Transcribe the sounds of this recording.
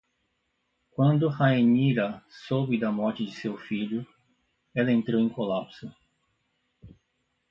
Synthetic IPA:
kwɐ̃nd̪ʊhaeniɾɐsobɪd̪ɐmɔɾt͡ʃɪd͡ʒɪsewfiʎʊ | ɛlɐẽnt̪ɾowẽkolapsʊ

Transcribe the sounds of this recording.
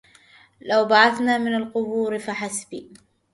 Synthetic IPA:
lawbaʕaθnaːmɪnalqʊbuːɾɪfaħasbiː

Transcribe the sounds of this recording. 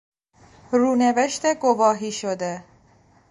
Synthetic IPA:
ruːne̞veʃt̪eɡovɒːɦiːʃod̪e̞

